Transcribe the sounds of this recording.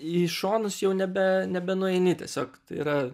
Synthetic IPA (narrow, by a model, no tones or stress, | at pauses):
iʃoːnʊsjɛʊnʲɛbʲɛnʲɛbʲɛnʊɛɪnʲɪt̪ʲiɛsʲoːkt̪ɐɪiɾɐ